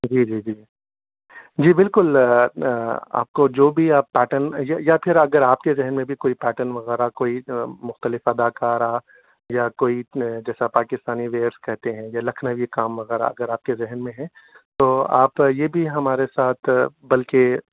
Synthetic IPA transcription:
d͡ʒiːd͡ʒiːd͡ʒiː | d͡ʒiːbɪlkʊl | a̰ːp̚kod͡ʒoːbʱiaːpːɛːʈənjajapʰɪɾɐɡəɾaːpkezɛɦnmẽbʱikoːipɛːʈənʋɐɣɛːɾakoːimʊxt̪əlɪfɐd̪aːkaːɾa | jakoːid͡ʒɛːsapaːkɪst̪aːniʋeːɾskɛɦt̪eɦɛ̃jalɐkʰnəʋikaːmʋɐɣɛːɾa̰ɐ̰ɡəɾaːp̚kezɛɦənmẽɦɛ̃t̪oːa̰ːpjeːbʱiɦɐmaːɾesaːt̪ʰbɐlke

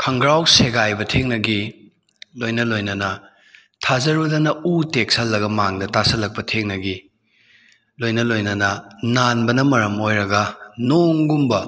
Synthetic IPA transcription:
kʰɐŋɡɾawseɡajbɐtʰeŋnɐɡi | lojnɐlojnɐnɐ | tʰazɐɾɐdɐnɐutek̚sɐlːɐɡɐmaŋdɐtasɐlɐk̚pɐtʰeŋnɐɡi | lojnɐlojnɐnɐnanbɐnɐmɐɾɐmojɾɐɡɐnoŋɡumbɐ

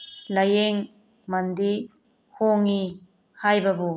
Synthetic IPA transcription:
lajeŋ | mand̪i | hoŋi | hajbabu

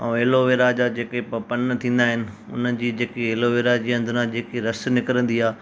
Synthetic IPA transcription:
ɐ̃eːloʋeːɾad͡ʑad͡ʑeːkepɐpɐnt̪ʰĩːn̆d̪aːɦɪnɪ̆ | ʊ̰n̤əd͡ʑiːd͡ʑeːkeeːloʋeːɾad͡ʑiːɐ̃nd̪ʱʊnãd͡ʑeːkiɾɐsnɪkəɾə̃nd̪iaː

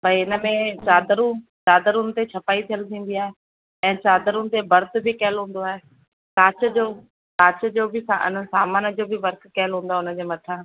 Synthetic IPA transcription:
bʱɐiɪnə̆mẽt͡ɕaːd̪əɾũt͡ɕaːd̪əɾunt̪et͡ɕʰɐpaːit̪ʰijəlt̪ʰĩːn̆d̪ijaːɦe | ɛ̃ːt͡ɕaːd̪əɾũnt̪ebɐɾt̪̆bʱɪkɐɦɪlɦũːn̆d̪oaːɦe | kaːt͡ɕə̆d͡ʑoː | kaːt͡ɕəd͡ʑoːbɪsaɪ̰nəsaːmaːnəd͡ʑoːbʱɪʋɐɾkʰkɐɦɪlɦũːn̆d̪aʊnə̆d͡ʑeːmɐt̪ʰã

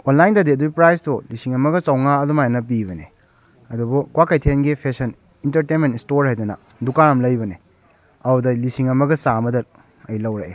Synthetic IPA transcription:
onlajndɐdiɐduɡipɾajstulisiŋɐmɐɡɐt͡ʃɐwŋaɐdumajnɐp̬ibɐne | ɐdubukwakajtʰenɡipʰesɐn | intɐɾtenmentistoɾhajdunɐ̰ | dukaɾɐmlɐjbɐne | ɐudɐlisiŋɐmɐɡɐsamɐdɐ | ɐjlɐwɾɐḛ

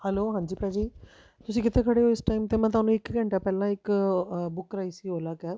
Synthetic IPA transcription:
hɛloːɦãːɲd͡ʒiːpɾɛːd͡ʒiː | t̪ʊsĩːkɪt̪eːkʰəɽeːoːɪsʈaːiːmt̪eːmɛ̃ːt̪ʊaːnũːɪkɡə̃ɳʈaːpɛːlãːɪkbʊkːɾaːiːsiːɦoːlaːkɛː

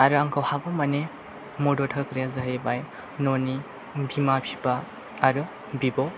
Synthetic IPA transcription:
aɾɯaŋkʰawhaɡɔmɐne | mɔdɔtʰɐkɾijazaɦebaj | noni | bimapʰibaː | ɾɯ | bibɔ

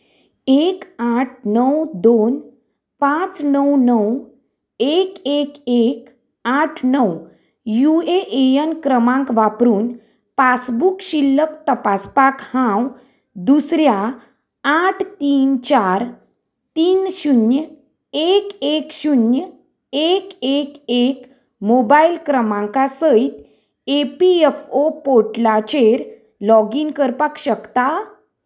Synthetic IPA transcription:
ekaʈʰnəwd̪on | pãt͡snəwnəw | ekekek | aʈʰnəw | jueʔejənkɾəmãŋkʋapɾuːn | pasbukɕilːəkt̪əpaspakhãw | d̪usɾja | aʈʰt̪iːnt͡ɕaɾ | t̪iːnɕunjə | ekekɕunjə | ekekek | mobailkɾəmãŋkasəit̪ | epiefopoʈlat͡ɕeɾ | lɔɡinkəɾpakɕəkt̪a

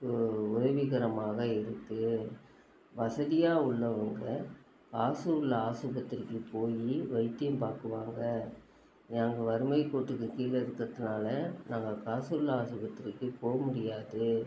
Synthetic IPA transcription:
ʊjɐʋɪɣɐɾɐmaːɣɐɪɾɯkːɯ | ʋɐsɐðɪjaːʊɭːɐʋɐŋɡɐ | kaːsuːɾlaːsɯbɐt̪ːɪɾɪkːɯpoːjiʋɐɪt̪ːɪjɐmpaːɾkɯʋaːŋɡɐ | naːŋɡɐʋɐɾɯmɐɪkːoːʈːɯkːɯkiːlɐɪɾɯkːɾɐðɯnaːlɐnaːŋɡɐkaːsuɾlaːsɯbɐt̪ːɪɾɪkːɯpoːɣɐmʊɽɪjaːðɯ

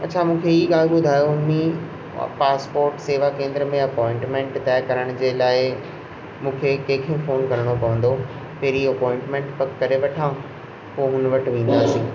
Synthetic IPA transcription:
ɐ̰tːt͡ɕʰamũːkʰeiːɡaːlbʊd̪ʱaːjoʊnmĩ | paːspoːɾʈseːʋakẽːnd̪ɾəmẽɐpɔːɪ̃ɳʈmẽɳʈt̪aːkɐɾəɽ̃ʊ̃d͡ʑeːlaːɪ | mũːkʰekẽːkʰẽfoːnkɐɾɽ̃opɐʋə̃n̆d̪o | peːɾiːɐpɔːɪ̃ɳʈmẽɳʈpɐkːɐɾeʋɐʈʰãː | poːɦʊnʋɐʈʋĩːn̆d̪aːsĩː

